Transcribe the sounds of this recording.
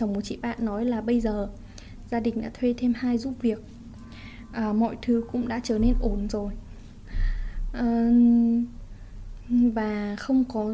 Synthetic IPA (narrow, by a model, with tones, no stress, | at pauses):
t͡ɕə˨˩wŋ͡mmo˨˩t̚t͡ɕḭ˧˨ɓa̰ː˧˨nːɔ˨˦jlaː˨˩ɓə˧jzəː˨˩ | zaː˧ɗï˨˩ŋ̟ɗa̰ː˧˥t̪ʰwe˧t̪ʰe˧mhaː˧jzu˦˥p̚vi˨˩ək̚ | ʔəː˨˩mɔ̰˧˨jt̪ʰɨ˨˦kʊ̰˧˥ŋ͡mɗa̰ː˧˥t͡ɕəː˨˩ne˧nʔo˨˦nzo˨˩j | ʔə˨˩ | vaː˨˩xə˧wŋ͡mkɔ˨˦